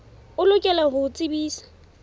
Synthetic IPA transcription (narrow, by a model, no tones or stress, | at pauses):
ʊlʊkʼɛlaɦʊt͡sʼɪbiːsḁ